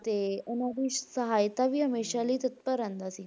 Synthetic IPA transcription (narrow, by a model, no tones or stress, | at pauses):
t̪eunod̪iːɕsəɦajt̪aʋiːɦəmeɕaliːt̪ət̪̚pəɾənt̪asi